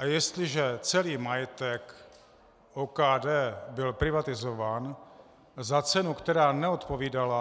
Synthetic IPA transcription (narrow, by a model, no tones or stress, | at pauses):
ʔajɛst̪lɪʒɛt͡sɛliːmajɛt̪ɛk | ʔokaːdɛːbɪlpɾɪvat̪ɪzovaːn | zat͡sɛnukt̪ɛɾaːnɛot̪poviːdala